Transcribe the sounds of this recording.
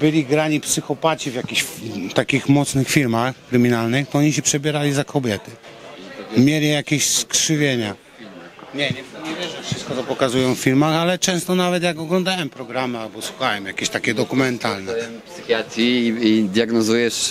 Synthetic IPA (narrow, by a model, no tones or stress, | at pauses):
bɘlʲiɡɾaɲipsɘxɔpat͡ɕivjakʲiɕt̪akʲixmɔt̪snɘxfʲiɾmaxkɾɘmʲinalnɘxt̪ɔɔɲiɕɛpʂɛbʲjɛɾalʲizakʰɔbʲjɛt̪ɘ | mʲjɛɾʲɛjakʲeɕskʂɘvʲjeɲa | ilmɲɛɲɛɲɛvʲjɛʐɛfʂɨst̪kɔt̪ɔpɔkazujɔ̃w̃ffʲiɾmaxalɛt͡ʂɛ̃st̪ɔnavɛt̪̬jakɔɡlɔ̃nd̪awɛmpɾɔɡɾamalbɔswuxawɛmjakʲeɕt̪akʲɛd̪ɔkumɛnt̪alnɛpsxjat̪ɾʲiːd̪ʲjaɡnɔzujɛʂ